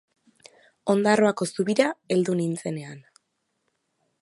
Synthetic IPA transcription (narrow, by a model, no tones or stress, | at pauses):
o̞nd̪aro̞ako̞suβiɾae̞ld̪unint͡se̞ne̞an